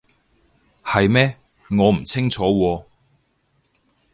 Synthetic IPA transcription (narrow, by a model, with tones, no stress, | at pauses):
hɐ˨jmɛː˥ | ŋɔː˨˧m̩˨˩t͡sʰɪ˥ŋt͡ʃʰɔː˨˥wɔː˧